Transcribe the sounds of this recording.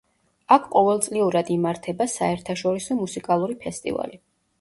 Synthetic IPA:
akʰqʼɔvɛlˠt̪sʼliuɾad̪imaɾt̪ʰɛbasaɛɾt̪ʰaʃɔɾisɔmusikʼalˠuɾipʰɛst̪ʼḭva̰li

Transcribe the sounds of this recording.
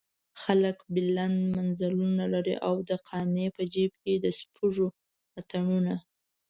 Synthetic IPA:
xaləkbɪlanmanzalunalaɾḭʔawd̪əqʰɑnepəd͡ʒib̚ked̪əspʰuʐo | at̪aɳuna

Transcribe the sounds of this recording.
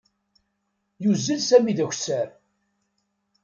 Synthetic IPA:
juzːəlsæmiðæçʷsæɾ

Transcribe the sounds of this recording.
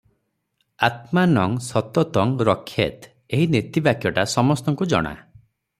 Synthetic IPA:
at̪manɔŋsɔt̪ɔt̪ɔŋɾɔkʰːjḛt̪ | eɦinet̪ibakʰjɔʈasɔmɔst̪ɔŋkud͡ʒɔ̰ɽ̃a̰

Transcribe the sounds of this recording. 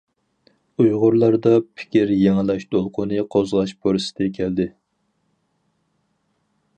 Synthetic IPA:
ujʁʊɾlˠɑɾd̪ɑpʰɪ̥kʲiɾjeŋɨlˠɑʃt̪olˠqʰʊnɨqʰozʁɑʃbʰoɾɨsɪ̥d̪ɛkʲʰɛld̪ɪ

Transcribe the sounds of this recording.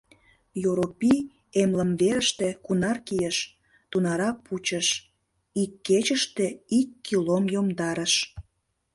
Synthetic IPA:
joɾopi | emləmβeɾəʃt̪e̽kunɑrkijəʃ | t̪unɑɾɑput͡ɕəʃ | ikːet͡ɕəʃt̪eikːilomjomd̪ɑɾəʃ

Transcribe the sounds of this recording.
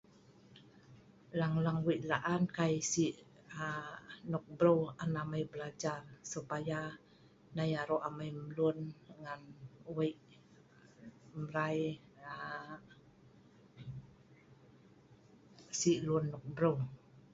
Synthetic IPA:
laŋlaŋwiʔlaʔankajsiʔ | anɔk̚bɾowanamajbəlad͡ʒarsupaja | najaɾoʔamajmlunŋanwaʔ | mɾaja | siʔlunːɔk̚bɾow

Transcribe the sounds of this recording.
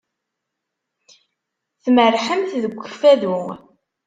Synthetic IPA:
θmərːħəmθðəɡʷːəfæðu

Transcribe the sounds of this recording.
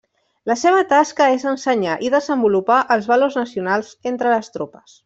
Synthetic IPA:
ləseβət̪askəezənsəɲaʔiðəzəmbulupaʔəlˠzβəloznəsiunalˠzent̪ɾələst̪ɾopəs

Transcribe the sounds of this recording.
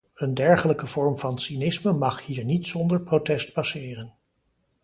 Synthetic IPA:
əndɛɹχələkəv̥ɔɹmvɑnsinɪsməmɑχhiːɹnitsɔndəɹprotɛstpɑsɪːrən

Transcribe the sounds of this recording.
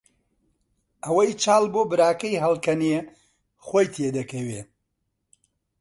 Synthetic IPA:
ɐwɐjt͡ʃaːlˠboːbɨɾaːkɐjɦɐlˠkɐnie | χoːjt̪ʰjed̪ɐkʰɐwe

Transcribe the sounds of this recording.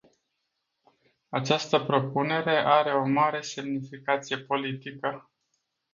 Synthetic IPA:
at͡ʃast̪əpɾo̞pune̞ɾe̞ʔaɾe̞o̞maɾe̞se̞mnifikat̪sije̞po̞lit̪ikə

